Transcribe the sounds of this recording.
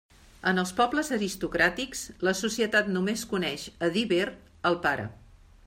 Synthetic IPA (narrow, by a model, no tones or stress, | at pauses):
ənəlˠspɔbləzəɾist̪ukɾat̪iksləsusiət̪at̪numeskunɛʃəðiβeɾ | əlˠpaɾə̰